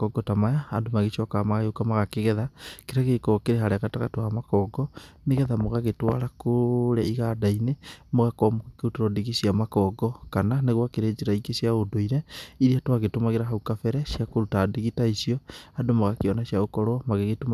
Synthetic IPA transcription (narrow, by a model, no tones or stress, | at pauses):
kɔɡɔtamajaːdomaɣeʃɔkamaɣajokamaɣakeɣɛðakeɾaɣekɔkeɾeɦaɾɛɣataɣatoamakɔɡɔneɣɛðamoɣaɣetwa̰ɾakoɾɛiɣadainemoɣakɔmkeotoɾɔdiɣisiamakɔɡɔkananeɣwakeɾeːd͡ʒeɾaikesjaodoiɾɛiɾiatwaɣetomaɣeɾaɦaukafɛɾɛsjakoɾutadiɣitaisiɔadomaɣakeɔnaʃjaɣokɔɾwɔmaɣeɣetom